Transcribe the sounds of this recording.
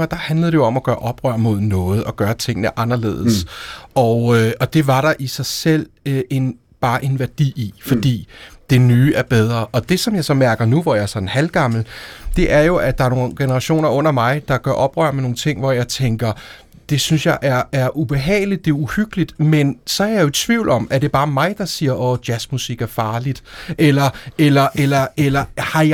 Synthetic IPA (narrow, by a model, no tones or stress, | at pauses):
ɑd̥ɑ̈hænləð̩ˠɾ̥ejo̝ɒ̽mæɡ̥ɶːɐʔɒ̽b̥ʁɶ̰ɐ̰mo̝ð̞ˠnɔ̽ːð̞̩ˠɒ̽ɡ̥ɶːɐt͡sʰe̝ŋ̰nəʔɑ̈nɐle̝̰ːðˠsɒøɒ̽d̥e̝ʋɑ̈ɾ̥ɑ̈ʔisɑ̈ɪsel̰e̝n | b̥ɑ̈ːʔe̝nʋæɐd̥ḭːifɒ̽d̥ḭːd̥e̝nyːʔæɐb̥eð̞ˠʁɐʔɒ̽d̥e̝sɒ̽mjɑ̈ɪsɒ̽mæɐɡ̥ɐnuʋɒjɑ̈æɐsɒ̽nnhælɡ̥ɑ̈ml̩d̥e̝ʔæɐjo̝ʔæd̥ɑ̈æɐno̝ːnɡ̥e̝nɐʁɑ̈ɕo̝̰ːnɐʔɔ̽n̰ɐmɑ̈ɪd̥ɑ̈ɡ̥ɶɐʔɒ̽b̥ʁœ̰ɐ̰meno̝ːŋ̩t͡sʰe̝ŋ̰ʋɒjɑ̈ɪt͡sʰeŋɡ̥ɐ | d̥e̝synsjɑ̈ɪʔæɐæɐʔub̥e̝ɦɛ̰ːɪlid̥ːe̝ɐuhyɡ̥əlid̥mensɒ̽æɐjjo̝t͡sʰʋiʊlʔɒ̽mæɐde̝b̥ɑ̈ːmɑ̈ɪd̥ɑ̈siːɐʔɔːd̥jæsmusiɡ̥æɐfɑ̈ːlid̥ʔelɐelɐʔelɐelɐhɑ̈